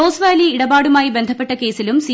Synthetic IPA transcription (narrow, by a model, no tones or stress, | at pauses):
oːsʋaːliiɽɐbaːɽumaːjibe̞nd̪ʱɐpːeʈːɐke̞ːsilumsi